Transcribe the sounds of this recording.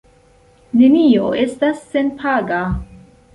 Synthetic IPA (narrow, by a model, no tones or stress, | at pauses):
ne̞nioe̞stasːe̞npʰaɡa